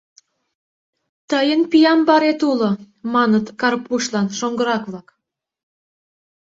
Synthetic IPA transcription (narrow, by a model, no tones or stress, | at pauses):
t̪əjənpijɑmbɑɾet̪ulo | mɑnət̪kɑrpuʃlɑnʃoŋɡəɾɑkβlɑk